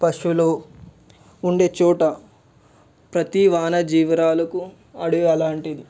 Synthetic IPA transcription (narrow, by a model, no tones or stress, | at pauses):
pɐʂuloː | uɳɖeːt͡ʃɔːʈɐ | pɾɐt̪iʋaːnɐd͡ʒiːʋɾaːlɐku | ɐɽuɛlaːɳʈid̪i